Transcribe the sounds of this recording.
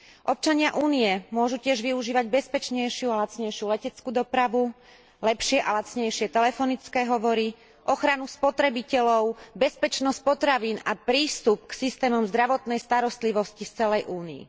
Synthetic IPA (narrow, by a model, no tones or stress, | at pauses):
ʔɔp̚t͡ʃaɲɪaʔuːniɛmʊɔʒucɪɛʒʋiuʒiːʋaɟbɛspɛt͡ʃɲɛjʃɪualat͡sɲɛjʃɪulɛcɛt͡skud̪ɔpɾaʋu | lɛpʃɪɛʔalat͡sɲɛjʃɪɛt̪ɛlɛfɔnit͡skɛːɦɔʋɔɾi | ʔɔxɾanuspɔt̪ɾɛbicɛlɔʊbɛspɛt͡ʃnɔsc̚pɔt̪ɾaʋiːnapɾiːst̪up̚ksist̪ɛːmɔmzd̪ɾaʋɔt̪nɛjst̪aɾɔst̪liʋɔscift͡sɛlɛjʔuːniḭ